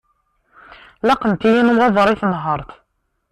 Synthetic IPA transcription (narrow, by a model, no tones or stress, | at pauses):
lɑqəmt̪ijinuwɑðˤɾˤiθnɦəɾˤθ